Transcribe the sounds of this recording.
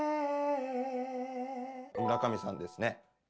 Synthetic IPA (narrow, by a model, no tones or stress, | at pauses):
ɯɾakamʲisã̰nd̪e̞sɨne